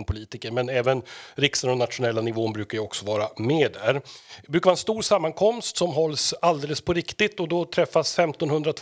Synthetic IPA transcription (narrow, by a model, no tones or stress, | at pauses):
npʰʊliːt̪ɪkəɾmɛnɛːvənɾɪksaənɔnat̪ɧʊnɛlːanɪvoːnbɾʉ̟ːkaɾjaɔksɔvɑːɾameːɖ̪æɾbɾʉ̟kavaɛnst̪uːɾsamːankʰɔmst̪sɔmɦɔlːsald̪eːləspʰɔɾɪkt̪ɪt̪ːɔd̪ɔt̪ʰɾɛfːasfɛmt̪ɔnhɵnd̪ɾat̪ʰ